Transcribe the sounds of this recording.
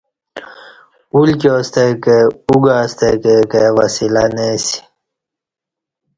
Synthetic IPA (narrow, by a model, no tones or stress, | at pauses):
ulkost̪ekeuɡaːst̪ekekewasilanesi̥